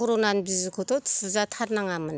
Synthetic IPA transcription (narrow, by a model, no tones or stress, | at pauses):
ɔɾonanbizikʰɔt̪ɔtsɯzatʰaɾnaŋamɯn